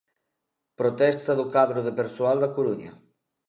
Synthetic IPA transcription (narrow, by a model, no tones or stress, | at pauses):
pɾot̪ɛst̪ɐðʊkaðɾʊðepeɾsoald̪akoɾuɲɐ̰